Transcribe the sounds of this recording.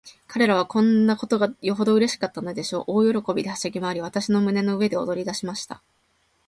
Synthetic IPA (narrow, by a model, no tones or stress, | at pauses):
kaɾe̞ɾaβ̞akõ̞nːako̞t̪o̞ɡajo̞ɦo̞d̪o̞ɯ̟ɾe̞ɕi̥kat̪ːano̞d̪e̞ɕo̞ːʔoːjo̞ɾo̞ko̞bʲid̪e̞haɕaɡʲimaːɾʲiβ̞at̪aɕino̞mɯ̟ne̞no̞ɯ̟e̞d̪e̞o̰d̪o̞ɾʲid̪aɕimaɕi̥t̪a̰